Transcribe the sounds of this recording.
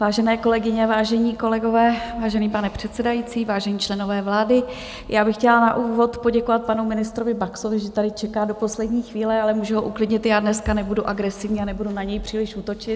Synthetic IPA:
vaːʒɛnɛːko̞lɛɡɪɲɛvaːʒɛɲiːko̞lɛɡo̞vɛːvaːʒɛniːpanɛpr̝̥ɛt̪sɛdajit͡siːvaːʒɛɲiːt͡ʃlɛno̞vɛːvlaːdɪ | jʔaːbɪxcɛlanaʔuːvo̞t̪po̞ɟɛko̞vat̪̚panumɪnɪst̪ɾovɪbakso̞vɪʒɛt̪adɪt͡ʃɛkaːdo̞po̞slɛdɲiːxviːlɛalɛmuːʒuɦoʔuklɪdɲɪt̪jaːdnɛskanɛbuduʔaɡɾɛsɪvɲiːanɛbudunaɲɛjpr̥iːlɪʃuːt̪o̞t͡ʃɪt̪

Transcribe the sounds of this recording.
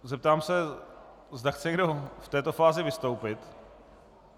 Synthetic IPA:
zɛp̚t̪aːmsɛ | zdaxt͡sɛɲɛɡdo̞ft̪ɛːt̪o̞faːzɪvɪst̪o̞wpɪt̪

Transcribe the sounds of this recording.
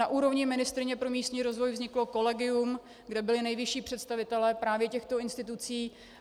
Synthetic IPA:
aʔuːɾo̞vɲɪmɪnɪst̪ɾɪɲɛpɾo̞miːst̪ɲiːɾo̞zvo̞jvzɲɪklo̞ko̞lɛɡɪum | ɡdɛbɪlɪnɛjvɪʃiːpr̥ɛt̪st̪avɪt̪ɛlɛːpɾaːvjɛcɛxt̪o̞ɪnst̪ɪt̪̬ut͡siː

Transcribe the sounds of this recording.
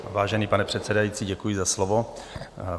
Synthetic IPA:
vaːʒɛniːpanɛpr̝̥ɛt̪sɛdajiːt͡siːɟɛkujɪzaslovo̞

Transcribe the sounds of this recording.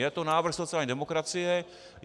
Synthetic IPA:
jɛt̪onaːʋr̩xsot̪t͡siaːlɲɛd̪ɛmokɾat͡sɪjɛ

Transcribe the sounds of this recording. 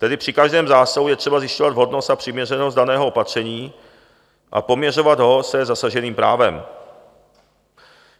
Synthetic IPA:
t̪ɛdɪpr̥ɪkaʒdɛːmzaːsaɦujɛt̪r̝̥ɛbazjɪʃcovad̪vɦo̞dnost̪apr̝̥ɪmɲɛrɛnostdanɛːɦoopat̪r̝̥ɛɲiː | ʔa̰po̞mɲɛr̝o̞vad̪ɦo̞sɛzasaʒɛniːmpɾaːvɛm

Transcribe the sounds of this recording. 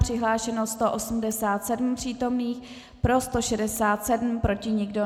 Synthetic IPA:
pr̥ɪɦlaːʃɛnost̪o̞ʔosum̩dɛsaːt̪sɛdm̩pr̝̥iːt̪o̞mniːx | pɾo̞st̪o̞ʃɛdɛsaːt̪sɛdm̩pɾo̞cɪɲɪɡdo̞

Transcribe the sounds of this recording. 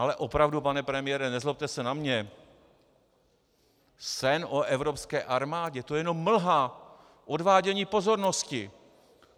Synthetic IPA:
alɛʔopɾavdupanɛpɾɛmɪjɛɾɛnɛzlop̚t̪ɛsɛnamɲɛ | sɛnʔo̞ʔɛvɾo̞pskɛːʔaɾmaːɟɛt̪o̞jɛno̞mːl̩ɦa | ʔo̞dvaːɟɛɲiːpo̞zo̞ɾno̞scɪ

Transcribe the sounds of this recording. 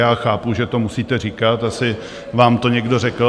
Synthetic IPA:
jaːxaːpuʒɛt̪o̞musiːt̪ɛrikat̪asɪ | vaːmt̪oɲɛɡdo̞rɛkl̩

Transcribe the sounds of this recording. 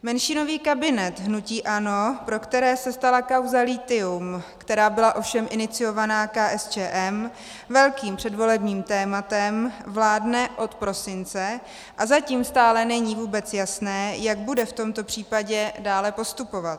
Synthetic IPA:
mɛnʃɪno̞viːkabɪnɛt̪ɦnuciːʔano̞pɾo̞kt̪ɛɾɛːsɛst̪alakawzaliːt̪ɪumkt̪ɛɾaːbɪlaʔo̞fʃɛmʔɪnɪt͡sɪjo̞vanaːkaːʔɛst͡ʃɛːʔɛm | vɛlkiːmpr̝̥ɛdvo̞lɛbɲiːmt̪ɛːmat̪ɛmvlaːdnɛʔo̞t̪pɾo̞sɪnt͡sɛ | ʔazaciːmst̪aːlɛnɛɲiːvuːbɛt͡sjasnɛːjaɡ̚budɛft̪o̞mt̪o̞pr̝̥iːpaɟɛdaːlɛpo̞st̪upo̞vat̪

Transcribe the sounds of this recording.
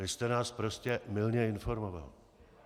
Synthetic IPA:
ɪst̪ɛnaːspɾo̞scɛmɪlɲɛɪnfo̞ɾmova̰l

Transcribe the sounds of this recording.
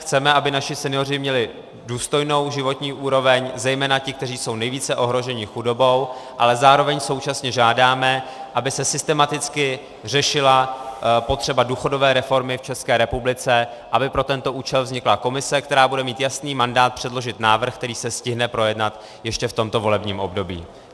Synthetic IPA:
xt͡sɛmɛʔabɪnaʃɪsɛnɪjo̞rɪmɲɛlɪ | duːst̪o̞jno̞wʒɪvo̞t̪ɲiːʔuːɾo̞vɛɲzɛjmɛːnacɪk̚t̪ɛriːso̞wnɛjviːt͡sɛʔo̞ɦɾo̞ʒɛɲɪxudo̞bo̞wʔalɛzaːɾo̞vɛɲso̞wt͡ʃasɲɛʒaːdaːmɛʔabɪsɛsɪst̪ɛmat̪ɪt͡skɪ | r̝ɛʃɪlapo̞t̪r̝̥ɛbaduːxo̞do̞vɛːɾɛfo̞ɾmɪft͡ʃɛskɛːɾɛpublɪt͡sɛ | ʔabɪpɾo̞t̪ɛnt̪o̞ʔuːt͡ʃɛlvzɲɪklako̞mɪsɛkt̪ɛɾaːbudɛmiːt̪jasniːmandaːt̪̚pr̥ɛdlo̞ʒɪt̪naːvr̩xk̚t̪ɛɾiːsɛscɪɦnɛpɾo̞jɛdnat̪ | jɛʃcɛft̪o̞mt̪o̞vo̞lɛbɲiːmo̞bdo̞bḭː

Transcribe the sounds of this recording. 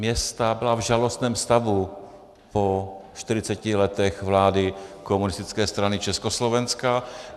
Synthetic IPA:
mjɛst̪abɪlavʒalost̪nɛːmfst̪avu | poʃt̪ɪɾɪt͡sɛcɪlɛt̪ɛxvlaːdɪkomunɪst̪ɪt͡skɛːst̪ɾanɪt͡ʃɛskoslovɛnska

